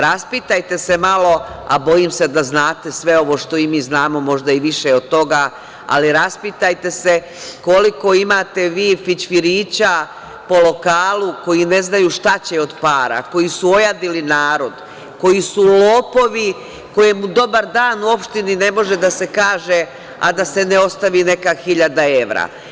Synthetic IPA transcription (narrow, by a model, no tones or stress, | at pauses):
ɾaspit̪ajt̪e̞se̞malo̞a̰bo̞jimse̞d̪aznaːt̪e̞sʋe̞o̞ʋo̞ːʃt̪o̞imiːznaːmo̞mo̞ʒd̪aiʋiʃeo̞d̪̚t̪o̞ɡa | a̰liɾaspit̪ajt̪e̞se̞ | ko̞liko̞imaːt̪e̞ʋiːfit͡ɕfiɾiːt͡ɕa | po̞lo̞kaːlˠuko̞jine̞znajuːʃt̪at͡ɕe̞o̞d̪paːɾa̰ko̞jisuo̞jad̪ilinaːɾo̞d̪ | ko̞jisulo̞ːpo̞ʋi | ko̞je̞mud̪o̞baɾd̪aːnuo̞pʃt̪inine̞mo̞ʒe̞d̪ase̞kaːʒe̞ | a̰d̪ase̞neo̞st̪aʋiːne̞kaxiʎad̪ae̞ʋɾa̰